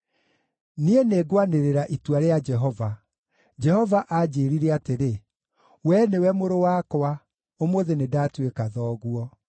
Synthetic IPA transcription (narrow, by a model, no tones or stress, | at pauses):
nieneːɡwaneɾeɾaʔitwaɾead͡ʒɛɦɔva | d͡ʒɛhɔvaʔad͡ʑeːɾiɾeateɾe | wɛnewɛmoɾowakɔa | omoðenedatwekaðɔːɣwɔ